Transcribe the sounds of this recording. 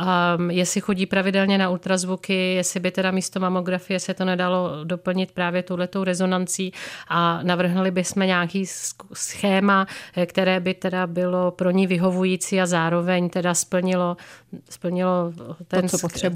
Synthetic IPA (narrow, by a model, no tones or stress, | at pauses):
ʔajɛsɪxo̞ɟiːpɾavɪdɛlɲɛnault̪ɾazvukɪjɛsɪbɪt̪ɛdamiːst̪o̞mamo̞ɡɾafɪjɛsɛt̪o̞nɛdalo̞do̞pl̩ɲɪt̪̚pɾaːvjɛt̪owlɛt̪o̞wɾɛzo̞nant͡siːʔanavr̩ɦnulɪbɪsmɛɲaːkiːsxɛːmakt̪ɛɾɛːbɪt̪ɛdabɪlo̞pɾo̞ɲɪvɪɦo̞vujiːt͡siːazaːɾo̞vɛɲt̪ɛdaspl̩ɲɪlo̞spl̩ɲɪlo̞t̪ɛnpot̪rɛ